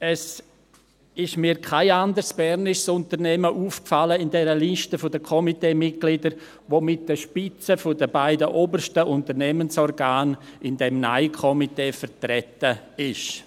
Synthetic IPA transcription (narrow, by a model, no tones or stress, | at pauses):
ɛs | ɪʃmiːɾkʰaɪandəɾsb̥ɛɾnɪʃsʊntəɾnɛməʔuːfkfaləɪndɛɾəliʃtəfʊdəkʰɔmiteːmɪt̚ɡ̥lɪdəɾ | ʋoːmɪt̚d̥əʃpɪt͡səfʊdəbaɪdəʔoːbərʃtəʔʊntəɾnɛmənsɔrɡaːnɪndɛmna̰ɪkʰɔmiteːfəɾtrɛtəɪʃ